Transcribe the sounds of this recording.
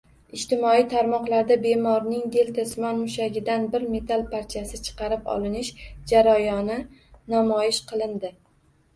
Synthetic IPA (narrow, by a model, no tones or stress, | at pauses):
ɪʃt̪ɪmɒijt̪ʰaɾmɒqlˠaɾd̪abe̞mɒɾnɪŋd̪e̞lt̪ʰasmɒnmʊʃaɡʲɪd̪anbɪɾme̞t̪ʰalˠpʰaɾt͡ʃʰasɪt͡ʃʰɨ̥qɑɾɪpɒ̰lˠɪnɪʃd͡ʒaɾajɒnɪnamɒjɪʃqʰɨlˠɪnd̪ɪ